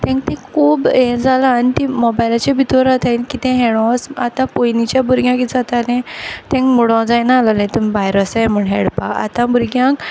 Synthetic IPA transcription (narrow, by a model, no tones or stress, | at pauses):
t̪ɛ̃ŋkt̪ɛ̃kʰuːbẽd͡zalaːnit̪imɔbajlat͡ɕebʱit̪ʰɔɾat̪ʰailkit̪ɛ̃ɦeɭɔ̃sat̪ãpojnit͡ɕjabuɾɡjãkid͡zat̪alɛ̃t̪ɛ̃ŋkmuɽɔ̃d͡zajnaːlalɛ̃t̪umibajɾəsam̤əɳɦeɽpaʔa̰t̪ãbuɾɡjãk